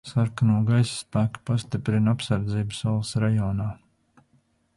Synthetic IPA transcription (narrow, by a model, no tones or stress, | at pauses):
saɾkanuɔɡajsspæːkḁpast̪ipɾinapsaɾd̪ziːbsulˠsɾajɔːnaː